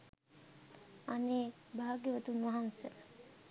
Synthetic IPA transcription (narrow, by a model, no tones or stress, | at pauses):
aneːbaːaɡeʋət̪unʋɐɦansə